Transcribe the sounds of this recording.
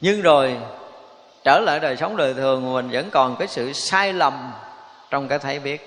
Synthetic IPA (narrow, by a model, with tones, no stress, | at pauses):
ɲɨ˧ŋzo˨˩j | t͡ɕəː˧˩la̰ː˧˨jɗəː˨˩jsə˨˦wŋ͡mɗəː˨˩jt̪ʰɨ˨˩əŋ˨˩mï˨˩ŋ̟və̰˧˥nkɔ˨˩nkaː˨˦jsɨ̰˧˨saː˧jlə˨˩m | t͡ɕɔ˧wŋ͡mkaː˨˦jt̪ʰa˨˦jɓi˦˥ət̚